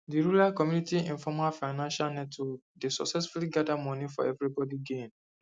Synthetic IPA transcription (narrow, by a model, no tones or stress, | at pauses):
diɹulalkɔmjunitiĩnfɔmalfaɪnãnʃalnɛtɔ | desɔksɛsfuliɡadamɔ̃nifɔ̰ɛvɹibɔdiɡẽn